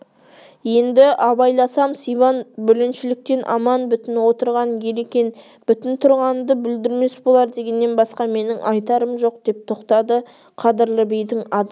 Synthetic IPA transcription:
je̞nd̪ɪʔɑbɑjlˠɑsɑmsijβɑnbʏlɪnʃɪlɪk̚t̪e̞nʔɑ̰mɑnbʏt̪ɪnwo̞t̪əɾʁɑnje̞lekʲe̞n | b̥ʏt̪ɪnt̪ʰʊɾʁɑnnd̪əbɪld̪ɪɾme̞sbo̞lˠɑɾd̪e̞ɡʲe̞nːe̞nbɑsqɑme̞nɪŋʔɑjt̪ɑɾəmʒo̞q̚d̪̥e̞p̚t̪ʰo̞qt̪ɑd̪ə | qʰɑd̪ɪɾləbejd̪ɪŋɑd̪

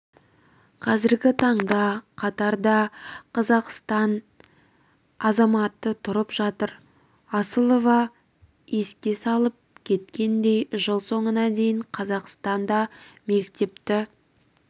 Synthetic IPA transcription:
qʰɑzɪɾɡʲɪt̪ʰɑɴd̪ɑqʰɑt̪ɑɾd̪ɑqʰɑzɑqst̪ɑn | ɑzɑmɑt̪ːət̪ʰʊɾəpʒɑt̪əɾ | ɑsəlˠo̞vɑ | je̞skʲe̞sɑlˠəp̚kʲʰe̞t̪kʲe̞nd̪e̞jʒəlˠso̞ɴənɑd̪e̞jɪɴqʰɑzɑqst̪ɑnd̪ɑme̞kt̪e̞p̚t̪ɪ

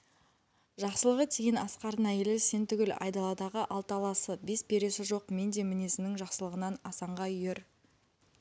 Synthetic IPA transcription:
ʒɑqsəlˠəʁət̪ʰejɪnɑsqɑɾənæjelɪse̞nt̪ʏɡʲɪlɑ̰jd̪ɑlˠɑd̪ɑʁəʔɑlˠt̪əɑlˠɑsəbe̞spʰe̞ɾe̞sɪʒo̞qme̞nd̪e̞mɪne̞sɪnɪŋʒɑqsəlˠəʁənɑnɑsɑɴʁɑʏje̞ɾ

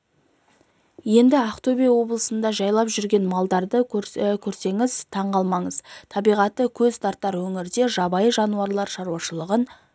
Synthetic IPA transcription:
je̞nd̪ɪɑqt̪obijwo̞blˠəsənd̪ɑʒɑjlˠɑpʒʏɾɡʲe̞nmɑlˠd̪ɑɾd̪əkʲʰɵɾse̞ŋɪzt̪ʰɑɴʁɑlˠmɑɴəzt̪ʰɑbijʁɑt̪ːəkʲʰɵzst̪ɑɾt̪ːɑɾwɵŋɪɾd̪e̞ʒɑbɑjəʒɑnuɑɾlˠɑɾʃɑɾuwɑʃəlˠəʁən

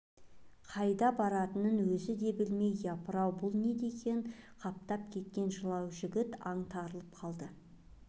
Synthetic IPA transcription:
qʰɑjd̪ɑbɑɾɑt̪ənənwɵzɪd̪e̞bɪlme̞jjɑpəɾɑwbʊlˠne̞d̪e̞kʲʰe̞ɴqʰɑp̚t̪ɑp̚kʲʰe̞t̪̚kʲe̞nʒəlˠɑwʒɪɡʲɪt̪ɑɴt̪ʰɑɾəlˠəp̚qʰɑlˠd̪ə

